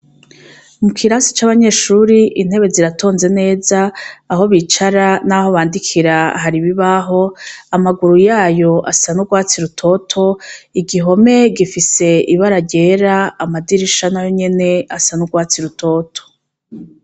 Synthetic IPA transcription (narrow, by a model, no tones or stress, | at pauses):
mukʰiɾaːnsi̥t͡ʃaːβaɲe̞ːʃuːɾiʔin̥he̞βe̞ziɾatʰo̞ːnze̞ne̞ːzaːɦo̞βit͡ʃaɾanaho̞βaːndikʰiɾaɦaɾiβiβaɦo̞amaɡuɾujaːjo̞ʔasanuɡwaːt͡siɾutʰo̞tʰo̞iɡiɦo̞me̞ɡifise̞iβaɾaɾɟe̞ːɾaːmadiɾiʃanajoɲe̞ne̞asanuɡwaːt͡siɾutʰo̞ːtʰo̥